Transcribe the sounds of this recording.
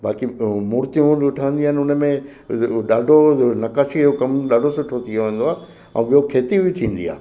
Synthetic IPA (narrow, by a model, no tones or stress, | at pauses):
baːkimuːɾt̪iũʊʈʰaːə̃nd̪iaːnʊnəmẽ | ɗaːɖʱonɐkaːʃiɦokɐmɗaːɖʱosʊʈʰot̪ʰiʋeʋẽːnd̪oaː | ɛ̰̃ɓiɦokʰeːt̪ibɪt̪ʰĩːn̆d̪ḭa̰ː